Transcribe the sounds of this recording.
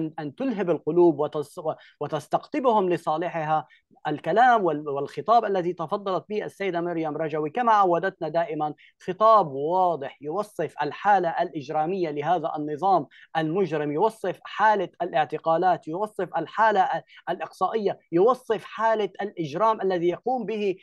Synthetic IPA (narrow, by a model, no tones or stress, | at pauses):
ʔʔant̪ʊlɦabalqʊluːbwɪt̪ | wɪt̪ast̪aqt̪ɪbhʊmlɪsˤɑːlɪħɪɦa | ʔalkalaːmwɪwɪlxɪt̪ˤɑːbʔalːaðit̪ɑfɑd̪ˤːɑlɑt̪̚biːʔasːajːɪd̪amɪɾjamɾˤɑd͡ʒawikamaʕawːad̪at̪nad̪aːʔɪman | xɨt̪ˤɑːbwɑːd̪ˤɨħjʊwɑsˤːɨfʔa̰lħaːlaʔalʔɪd͡ʒɾaːmɪjːalɪhaːðaʔɑnːɨðˤɑːm | ʔalmʊd͡ʒɾɪmjʊwɑsˤːɨfħaːlaʔalʔɪʕt̪ɪqaːlaːt̪jʊwɑsˤːɨfʔalħaːlaʔalʔɪqsˤɑːʔɪjːajʊwɑsˤːɨfħaːlaʔalʔɪd͡ʒɾaːmʔalːaðijɑquːmbɪhi